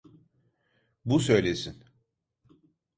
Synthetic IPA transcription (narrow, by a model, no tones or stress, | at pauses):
busø̞jlʲesin